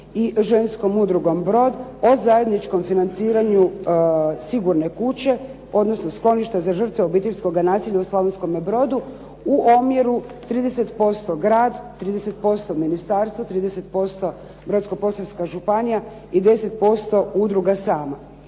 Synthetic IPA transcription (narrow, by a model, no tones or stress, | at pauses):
iʒe̞nsko̞mud̪ɾuɡo̞mbɾo̞d̪o̞zaje̞d̪nit͡ʃko̞mfinant̪siːɾaɲu | siɡuɾne̞kut͡ɕe̞ | o̞d̪no̞snosklo̞niʃt̪azaʒr̩t̪ʋeobit̪eʎʲsko̞ɡanaːsiʎauslˠoʋensko̞mebɾo̞d̪u | uʔomje̞ɾu | t̪ɾiːd̪e̞set̪po̞st̪o̞ɡɾaːd̪t̪ːɾiːd̪eset̪̚po̞st̪o̞minist̪aɾst̪ʋot̪ɾiːd̪ese̞t̪̚po̞st̪o̞ | bɾo̞t̪sko̞po̞saʋskaʒupanija | id̪e̞se̞t̪̚po̞st̪o̞ud̪ɾuɡasaːma